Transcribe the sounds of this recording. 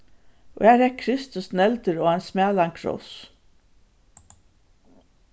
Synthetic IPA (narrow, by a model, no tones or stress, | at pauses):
ɔ̰ɛːɾɛkʰɾɪst̪ɵsnɛlt̪əɾɔːansmæːlaŋkʰɾɔ̰s